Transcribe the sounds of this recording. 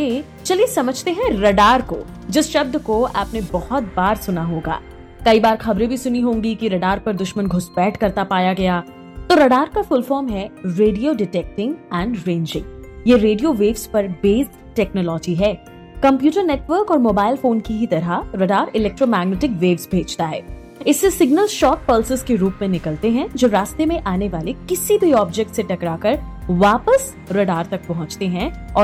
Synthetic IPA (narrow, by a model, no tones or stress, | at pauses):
eː | t͡ʃɐliesɐməd͡ʒʱt̪eɦɛ̃ɾɐɖaːɾko | d͡ʒɪsʃɐb̚d̪koa̰ːpnebɔhʊt̪̚baːɾsʊnaɦoːɡa̰ː | kɐibaːɾxɐbɾẽbʱisʊniɦõːŋɡikiɾɐɖaːɾpɐɾd̪ʊʃmənɡʱʊsbɛːʈʰkɐɾt̪apaːjaɡɐjaː | t̪oːɾɐɖaːɾkafʊlfɔːɾmɦɛɾeːɖijoɖɪʈɛːk̚ʈɪ̃ŋɡɛ̃ːɳɖɾẽːnd͡ʒɪ̃ŋɡjeɾeːɖijoʋeːʋzpɐɾbeːz | ʈɛːknɔlɔːd͡ʒiɦɛː | kɐ̃mpjuːʈəɾneːʈʋəːɾkɔːɾmoːbaːɪlfoːnkiɦit̪ɐɾaɾɐɖaːɾɪlɛːk̚ʈɾomɛːɡneʈɪkʋeːʋzbʱeːd͡ʒt̪aɦɛː | ɪsːesɪɡnəlʃɔːʈ̚pəlsɪzkeɾuːpmẽnɪkəlt̪eɦɛ̃d͡ʒoːɾaːst̪emẽʔaːneʋaːlekɪsibʱiɔːb̚d͡ʒɛk̚ʈseʈɐkɾakəɾʋaːpəs | ɾɐɖaːɾt̪ɐk̚pɐɦʊ̃t͡ʃt̪eɦɛ̃ɔː